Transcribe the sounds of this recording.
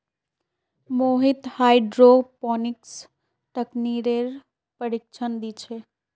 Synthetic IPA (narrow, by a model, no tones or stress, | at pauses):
moɦit̪hajɖɾopɔniks | ʈəkniɾeɾ | pəɾik̚t͡ʃʰənd̪it͡ʃʰe